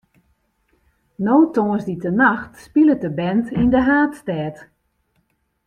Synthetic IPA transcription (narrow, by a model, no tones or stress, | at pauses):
noːwtoəsditənaxtspilət̚dəbɛntindəɦaːtstɛːt